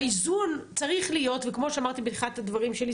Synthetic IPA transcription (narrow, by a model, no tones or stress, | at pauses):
izunt͡saʁiχlijo̞tvekmo̞ʃeamaʁt̪ibetχat̪advaʁimʃeli